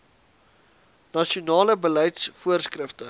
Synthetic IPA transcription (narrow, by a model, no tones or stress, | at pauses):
nɐʃiunɑːləbələjtsfuərskrəftə